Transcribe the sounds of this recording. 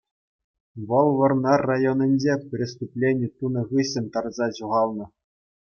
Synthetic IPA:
ʋɤ̆lˠʋɤ̆rnɑrajonʲɘ̆nʲd͡ʑepʲrʲest̪uplʲenʲit̪unɤ̆ʁɯɕɘ̆nʲt̪ɑrzɑʑuʁɑlˠnɤ̆

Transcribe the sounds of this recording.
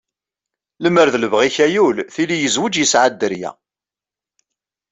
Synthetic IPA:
ləmːəɾðələvʁiçæjulθilijəzwəd͡ʒjəsʕad̪ːəɾjæ̰

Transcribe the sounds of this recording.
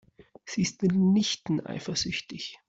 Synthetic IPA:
z̥iːɪstmɪtnɪçtn̩ʔa̰ɪfɐz̥ʏçtɪç

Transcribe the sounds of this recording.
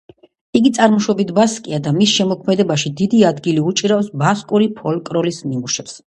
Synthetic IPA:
iɡit̪sʼaɾmɔʃwɔbit̪ʰbaskʼiad̪amisʃɛmɔkʰmɛd̪ɛbaʃid̪id̪iad̪ɡiliut͡ʃʼiɾafsbaskʼuɾipʰɔlkʼɾɔlisnimuʃɛps

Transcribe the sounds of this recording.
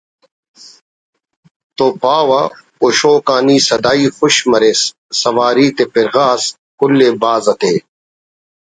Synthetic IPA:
t̪opaːwɐ | oʃoːkaːniːsɐd̪aːiːxʊɕmɐɾeːsː | ɐʋaːɾiːt̪epɪɾɣaːs | kʊlːeːbaːzɐt̪eː

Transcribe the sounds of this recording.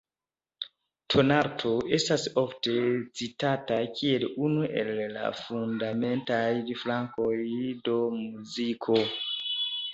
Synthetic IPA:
tʰo̞naɾtʰo̞ʔe̞staso̞fte̞t͡sitatakʰie̞lunuʔe̞̰lːa̰fundame̞ntajdflaŋkojdo̞muzikʰo

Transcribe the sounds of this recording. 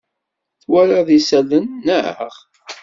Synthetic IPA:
θwæɾaðisælənːəʕə̰ʁ

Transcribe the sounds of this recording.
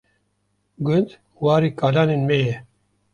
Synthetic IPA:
ɡʊnd̪ | waːɾiːkaːlaːnenmejɛ

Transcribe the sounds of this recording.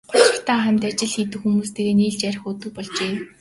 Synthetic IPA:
ɢʊt͡ɕɪ̆ɬt̪ʰaːχæmʲt̪at͡ɕɪ̆ɮxiːt̪ɘ̆xumuːst̪ʰeɣeːniːɮt͡ɕæɾ̆ʲxʊːt̪ɵ̆k̚pɔɮt͡ɕeː

